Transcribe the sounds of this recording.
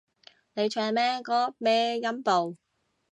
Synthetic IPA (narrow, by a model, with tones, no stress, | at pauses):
ne˨˧jt͡ʃʰœː˨˧˨mɛː˥kɔː˨˥mɛː˥jɐ˥mpo˨w